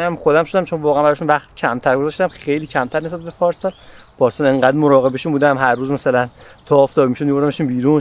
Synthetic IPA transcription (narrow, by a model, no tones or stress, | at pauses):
æmxod̪æmʃod̪æmt͡ʃʰonvɒːɣæænbæɾɒːʃunvæχt̪ʰicʰæmt̪ʰæɾɡozɒʃt̪æmxe̞jliːcʰæmt̪ʰæɾnisæt̪bepʰɒːɾsɒlpʰɒːɾsɑleŋɢæːd̪moɾɒːɣe̞beʃunbuːd̪æmɦæɾːuːzmæsælænt̪ʰɒːft̪ɒːbimiʃod̪miboɾd̪æmeʃumbiːɾuːn